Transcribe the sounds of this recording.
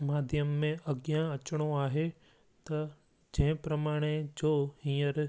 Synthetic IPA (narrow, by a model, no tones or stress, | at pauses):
maːd̪ʱjəmːẽɐɡjãɐt͡ɕɽ̃oaːɦe | t̪ɐ | d͡ʑẽɦɪ̃pɾɐmaːɽ̃ed͡ʑoːɦĩːəɾ